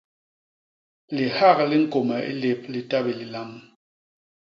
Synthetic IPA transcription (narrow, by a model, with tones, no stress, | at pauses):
li˨ha˦˨kli˦ŋ̩˦˨ko˨mɛ˨ḭ˦le˨p̚li˨ta˦bi˨li˨la˨m